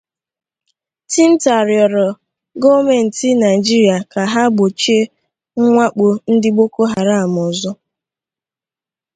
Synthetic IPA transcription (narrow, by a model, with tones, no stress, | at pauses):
ti˦n̩˦ta˨ɾjɔ˨ɾɔ˨ | ɡo˦me˨n̩˨ti˦na˨ɪ˨d͡ʒi˦ɾi˨a˨ka˨ɦa˦ɡ͡bo˨t͡ʃe˦ | ŋ̩˦ŋʷa˦k͡po˨n̩˦dɪ˦ɡ͡bo˦ko˦ɦa˨ɾa˦a˨mɔ˨zɔ˦